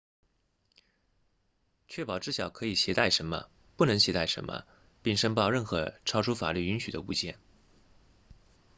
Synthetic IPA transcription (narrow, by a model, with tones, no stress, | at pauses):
t͡ɕʰɥɛ˥˩pɑ˨˩ʊʈ͡ʂɻ̩˥˩ɕjɑ˨˩ʊkʰɤ˧˥i˨˩ɕjɛ˧˥t̪a˥˩ɪʂə˧˥nmə̰˧ | pu˥˩nɤ˧˥ŋɕjɛ˧˥t̪a˥˩ɪʂə̰˧˥nmʔə̰˧ | pi˥˩ŋʂə˥ŋpɑ˥˧ʊɻə˥˩nxɤ˧˥ʈ͡ʂʰɑ˥ʊʈ͡ʂʰu˥fa̰˨˩ly˥˩y˧˥nɕy˨˩d̪ə˦ṵ˥˧t͡ɕjɛ˥˩n